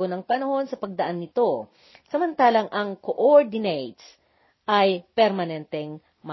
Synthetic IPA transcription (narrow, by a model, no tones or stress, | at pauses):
onɐŋpɐnɐho̞nsɐpɐɡ̚d̪ɐʔanːɪt̪o̞ | sɐmɐnt̪aːlɐŋʔɐŋkoʔoɹd̪ɪnejt̪s | ʔɐjpɛɾmɐnɛnt̪ɛŋ | mɐ